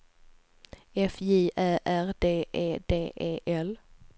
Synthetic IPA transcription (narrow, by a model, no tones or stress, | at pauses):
ɛfiːʔæːʔæʁd̪eːʔeːd̪eːʔeːʔɛl